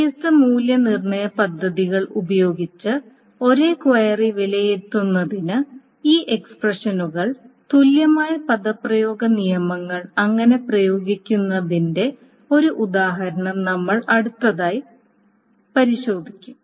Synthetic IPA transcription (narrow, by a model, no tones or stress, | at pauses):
istɨmuːljɐnirɳɐjɐpɐd̪ʱːɐðiɣɐɭubɐjo̞ːɡit͡ɕːɨ | o̞ɾe̞ːkwɐjɐriʋelɐjet̪ːunːɐðinɨ | iːʔe̞ksprɐʂɐnuɣɐɭ | t̪uljɐmaːjɐpɐd̪ɐprɐjo̞ːɡɐnijɐmɐŋːɐɭɐŋːɐne̞prɐjo̞ːɡikʲːunːɐðinde̞ | o̞ɾuʔud̪aːɦɐɾɐɳɐmnɐmːɐɭɐɽut̪ːɐðaːji | pɐɾiɕo̞ːd̪ʱikʲːum